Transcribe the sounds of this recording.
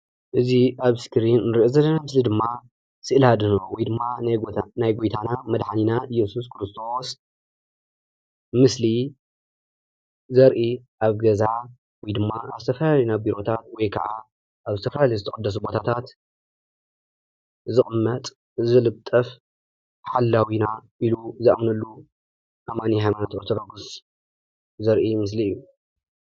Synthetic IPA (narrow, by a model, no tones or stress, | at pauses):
ʔɨziʔaβskɾinːɨɾiʔozɐlːɐnamɨslid̪ɨmːa | sɨʔɨlhad̪ɨnowɔjd̪ɨmːanajɡojt̪ʰanamɐd̪ħaninajɛsus̬kʰɾɨst̪ʰo̞s | mɨsli | zɐɾʔiʔaβɡɐza | wɔjd̪ɨmːaa̰zɨt̪ʰɐfɐlaljnabiɾo̞t̪ʰat̪̚wɔjkʰɐ̰ʕa̰ | ʔaβzɨt̪ʰɐfɐlalɐjzɨt̪ʰɐχʼɐd̪ːɐs̬ubo̞t̪ʰat̪ʰat̪ | zɨχʼɨmːɐt̪ʼ | zɨlɨβt̪ʼɐf | ħalːawinaʔiluzɐʔmnɐlːu | ʔamaniɦajmanat̪ʔoɾt̪ʰɾoɡus | zɐɾʔimɨs̬liɨjːu